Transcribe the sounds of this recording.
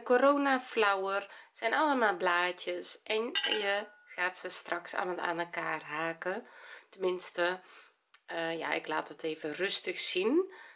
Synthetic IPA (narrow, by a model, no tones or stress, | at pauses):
koɾoːnaflawərsɛjnaləmalˠblaːtjəsʔɛnjəɣaːtsəstraksa̰məta̰ːnɛlˠkaːrɦaːkətəmɪnstə | ja̰ɪ̰kla̰ːtəteːvərøstəxsin